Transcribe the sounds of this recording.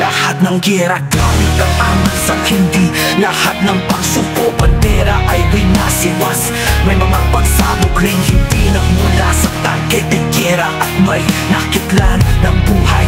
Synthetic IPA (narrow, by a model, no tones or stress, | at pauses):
lɐhat̪̚nɐŋɡɛɾɐɡaːwɪkɐŋʔaːmasɐkhɪnd̪ilɐhat̪̚nɐŋpɐɡsukoʔɐnd̪ɛɾɐʔɐjbɪnasɪwas | mɐjmɐŋapɐɡsaːbokɾɪŋhɪnd̪inɐɡmʊlasɐt̪a̰nkɛt̪ɪɡɛɾaʔɐt̪mɐjnɐkɪt̪lanːɐŋbuːhɐj